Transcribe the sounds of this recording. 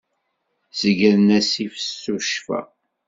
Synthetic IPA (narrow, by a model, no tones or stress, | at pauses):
zəɡəɾnæsifə̥sːuʃfæ̰